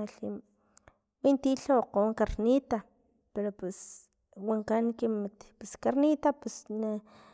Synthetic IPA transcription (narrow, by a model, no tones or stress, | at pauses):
ɬi | wint̪iɬaqoŋkaɾnit̪a | peɾopes | waŋkankimat̪peskaɾnit̪apesna